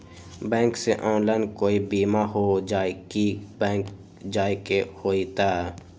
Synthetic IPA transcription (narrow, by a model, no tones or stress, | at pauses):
bɛ̃ːŋkseʔɔːnlaːɪnkoːibiːmaɦod͡ʒaːkiɛːk | d͡ʒaːikehoːit̪aːɛ